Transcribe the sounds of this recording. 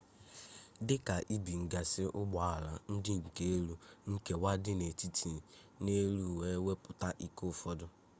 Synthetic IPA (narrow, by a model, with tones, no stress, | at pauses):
dɪ˦ka˨ʔi˦bi˨ŋ̩˨ɡa˨sɪ˦ʔʊ˦ɡ͡ba˨a˨la̰˨n̩˦dɪ˦ŋ̩˨ke˦e˦ɾu˦ŋ̩˦ke˨wa˦dɪ˦ne˨ti˦tʰi˨ | ne˦ɾu˦˨we˦we˦pʊ˨ta˦ʔi˦ko˦˨fɔ˦dʊ˦